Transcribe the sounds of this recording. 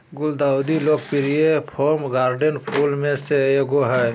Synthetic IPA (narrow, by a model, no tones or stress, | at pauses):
ɡʊld̪aːʊd̪iloːk̚pɪɾijepʰoːɾmɡaːɾɖənpʰuːlmẽseeɡoɦɛ